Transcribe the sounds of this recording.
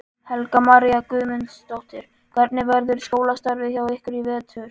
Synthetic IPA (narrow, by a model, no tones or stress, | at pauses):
hɛlkamaɾiakʏːmɪnst̪owht̪ɪɾ̥ | kʰvɛɾt̪nɪvɛɾðʏɾ̥skoːwlast̪aɾvɪçawehkʏɾivɛːt̪ʰʏɾ̥